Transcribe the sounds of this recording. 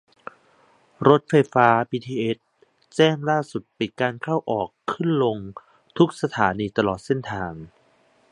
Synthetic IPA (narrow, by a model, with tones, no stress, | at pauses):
ɾo˦˥t̪̚fa˧jfaː˦˥pʰiː˧t̪ʰiː˧ʔe˦˥t̪̚ | t͡ɕɛː˥˩ŋlaː˥˩su˨˩t̪̚pi˨˩t̪̚kaː˧nkʰa˥˩wʔɔː˨˩kʰːɯ˥˩nlo˧ŋ | t̪ʰu˦˥k̚sa˧t̪ʰaː˩˦niː˧t̪a˧lɔː˨˩t̪̚se˥˩nt̪ʰaː˧ŋ